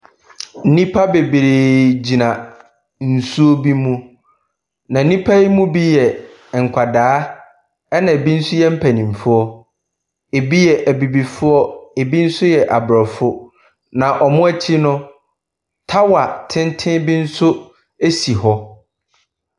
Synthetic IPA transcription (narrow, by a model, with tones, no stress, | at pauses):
n̩˦nĩ˦pʰa˦be˨bi˨ɾe˨d͡ʑi˨nã˨ | n̩˨su˦o˦bi˦mũ˦ | nã˨n̩˦nĩ˦pʰa˦i˦mũ˦bi˦jɛ˨ | ŋ̩˨kʷʰa˨daː˨˦ | ɛ˦nã˨e˨bi˦n̩˦sʊ˦jɛ˦m̩˦pʰæ˨nĩ˨mfʊ˦ɔ˦ | e˨bi˦jɛ˨ʔæ˨bi˨bi˨fʊ˦ɔ˦e˨bi˦n̩˦sʊ˦jɛ˨ʔa˨bɾɔ˨fʊ˦ | nã˨ʔɔ˨mʊ̃˦æ˦t͡ɕʰɪ˦nʊ̃˦ | tʰa˦wa˨tʰɪ̃˦n˦tʰɪ̃˦bi˦n̩˦sʊ˦ | e˦si˨ɦɔ˦